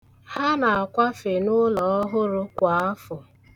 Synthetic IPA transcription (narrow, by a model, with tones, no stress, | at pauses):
ha˦na˨a˨kʷa˦fe˨nʊ˦lɔ˨ɔ˦ɦʊ˦ɾʊ˦kʷa˨a˦fʊ˨